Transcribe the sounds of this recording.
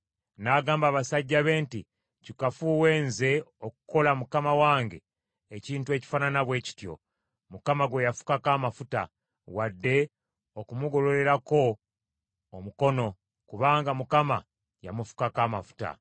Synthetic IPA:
naɡaːmbaːβasaɟːaβe̞ːnti | cikafuwe̞ːnze̞okuko̞lamukamawaːŋɡe̞ː | ciːntue̞ci̥fananaβwe̞ːci̥tjo̞̰ | mukamaɡwe̞jafu̥kakaːmafuta̰ | wadːe̞ | okumuɡo̞lo̞ɾe̞ɾako̞ː | muko̞no̞ | kuβaːŋɡamukama̰ | ja̰mufu̥kakaːmafu̥ta̰

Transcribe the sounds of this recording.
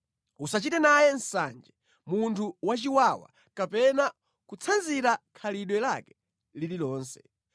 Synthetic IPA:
usat͡ʃitɛnajɛnsa̰nd͡ʒɛ | muntʰuwat͡ʃiwawa̰ | kapɛna | kut͡sʰanziɾakʰaliɗwɛlakɛ̥ | lililɔːnsɛ

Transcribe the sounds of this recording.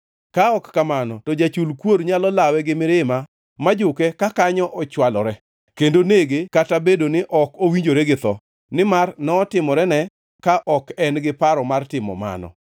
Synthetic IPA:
kaɔkkamanɔtɔd͡ʒat͡ʃulkwoɾɲalɔlawɛɡɪmɪɾɪma | mad͡ʒʊkɛkakaɲɔʔɔt͡ʃwalɔɾɛ | kendoneɡekatabedonɪʔɔkowiɲd͡ʒoɾɛɡɪt̪ɔ̰ | nɪmarnɔːtɪmɔɾɛnɛ | kaʔɔkɛnɡɪpaɾɔmartɪmɔ̰ma̰nɔ̰

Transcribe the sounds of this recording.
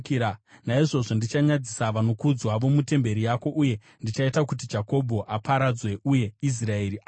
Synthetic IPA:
kːanaiʐo̞ʐo̞ndit͡ʃaɲad͡zisaʋano̞kud͡zwaʋo̞mute̞mbe̞ɾijako̞ʔuje̞ | ndit͡ʃaitakut̬id͡ʒako̞bʱo̞ʔapaɾad͡zwe̞uje̞is̬rae̞ːɾia

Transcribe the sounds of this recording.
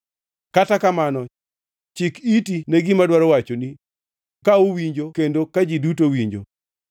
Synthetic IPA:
katakamanɔ | t͡ʃikitinɛɡɪmadwaɾɔwat͡ʃoni | kauwiɲd͡ʒokendokad͡ʒidutowiɲd͡ʒo̰

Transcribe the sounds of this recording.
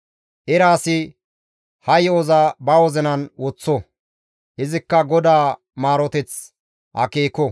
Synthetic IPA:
ʔɪɾaːsɪ | hɐjoːzabɐwɔzɛnɐnwɔt͡sːɔ | ʔɪzɪkːɐɡɔd̪aː | maːɾɔt̪ɛt͡s | hɐ̰keːkɔ

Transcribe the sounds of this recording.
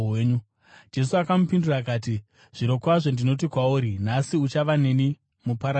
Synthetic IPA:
eːɲu | d͡ʒe̞suakamupindurakaːti | ʐ̥iɾo̞kwaʐo̞ndino̞t̬ikwauːɾinasiut͡ʃaʋaneni | mupaɾa

